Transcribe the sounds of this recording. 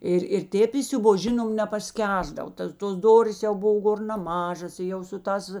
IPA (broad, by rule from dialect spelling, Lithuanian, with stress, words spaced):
ˈɪr ɪr ˈtʲeːp ɪsʲʊˈboːs ˈʒʲɪnoːm nʲɛpɐsʲˈkʲæːzdɐw ˈtɐs toːs ˈdoːrʲeːs jɛʊ ˈboːw ˈɡoːr nɐˈmɑːʒɐs ɪ ˈjɛʊ sʊ ˈtɑːs